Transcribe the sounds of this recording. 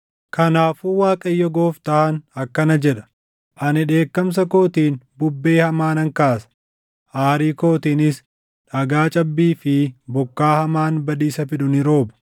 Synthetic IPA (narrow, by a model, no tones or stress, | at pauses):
kɐnaːfuːwaːkʼɐjːɔɡo̞ːft̪ɐhɐnɐkːɐnɐd͡ʒɛᶑɐ̥ | ʔɐnɪᶑe̞ːkːɐms̬ɐko̞ːt̪iːnbʊbːe̞ːhɐmaːnɐŋkaːsɐ̥ | ʔaːɾiːko̞ːt̪iːnɪs | ᶑɐɡaːt͡ʃʼɐbːiːfɪbʊkːaːhɐmaːnbɐd̪iːsɐfɪᶑʊnɪɾo̞ːbʊ̥